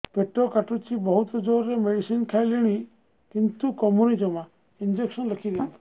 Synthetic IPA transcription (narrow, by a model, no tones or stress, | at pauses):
peʈːɔkaʈut͡ʃibɔɦut̪ɔd͡ʒɔɾɾemeɽisinkʰajliɽ̃i | kint̪ukɔmjunid͡ʒɔmã | ind͡ʒeksɔnləkʰiɾini̥